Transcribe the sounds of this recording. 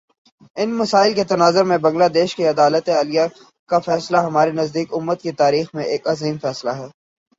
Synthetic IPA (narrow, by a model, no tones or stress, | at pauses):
ɪnmɐsaːɪlket̪ɐnaːzəɾmẽbɐ̃ŋɡlaːd̪eːʃkiɐd̪aːlət̪eaːlija | kafɛːslaɦɐmaːɾenɐzd̪iːkʊmːət̪̚kit̪aːɾiːxmẽʔeːkɐziːmfɛːslaɦɛː